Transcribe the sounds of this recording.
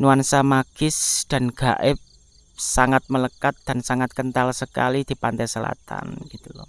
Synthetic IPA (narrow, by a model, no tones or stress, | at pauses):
nuansamaɡ̥ɪsd̪̥a̤nɡ̥a̤ʔɪp̚ | saŋat̪̚mələkat̪̚d̪̥a̤nsaŋat̪̚kənt̪alsəka̰lid̪̥i̤pant̪ɛsəla̰t̪a̰nɡ̥it̪ulɔ̰